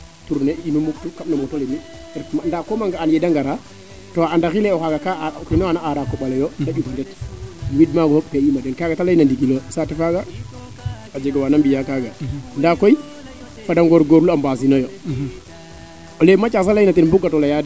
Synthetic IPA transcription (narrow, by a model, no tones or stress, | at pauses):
tuɾneinumuktukamnamuktoleni | ndakomaŋɡaːnjɛdaŋɡaɾa | toandaxileɔkaɡakakinɔanaʔaɾakːɔɓalejondaɓufandɛtwid̚maɡɔkejimadɛnkaɡatalajinandikilosatɛfaɡa | ad͡ʒeɡawanambijakaɡandakoj | fadaŋɡoɾɡoɾulambas̬inɔjo | olemat͡ʃas̬alajnatɛnbukɡːatɔlajadi